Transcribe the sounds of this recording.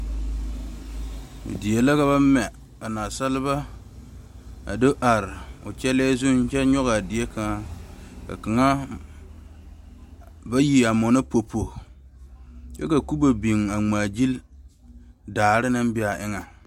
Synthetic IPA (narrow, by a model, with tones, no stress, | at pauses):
dɪ˨e˨la˦ka˦βa˦mɛ˨ | ba˨naː˨sa˦lɪ˦ba˦ | a̰˨dɨ˦ʔa˨ɾɪ˨ʊ̰˨t͡ʃɛ˦lɛː˦zʊ˦n˦t͡ʃɛ˦ɲɔ˦ɣa˨dɪ˨e˦ka˨ŋa˦ka̰˨ka˨ŋa˦ | ba˦ji˨a˨mɔ˨nɪ˦po˨pʰo˨ | t͡ʃɛ˦ka˨ku˦ba˨bi˨ŋ˨a˨ŋ͡maː˨d͡ʒi˦l | daː˨ɾɪ˦nɨ˦m˦bɪ˦a˨ʔɪ˦ŋa˨